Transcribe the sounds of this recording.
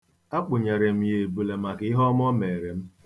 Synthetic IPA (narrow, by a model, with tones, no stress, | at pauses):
a˦k͡pʊ˨ɲe˨ɾe˨m̩˨˦je˨bu˨le˨ma˨kɪ˦ɦɔ˦m˦ɔ˦me˨ɾe˨m̩˦